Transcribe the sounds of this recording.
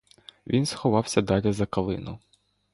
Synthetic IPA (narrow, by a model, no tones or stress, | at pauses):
ʋʲinsxɔʋɑwsʲɐd̪ɑlʲɐzɐkɐlˠɪ̰nʊ̰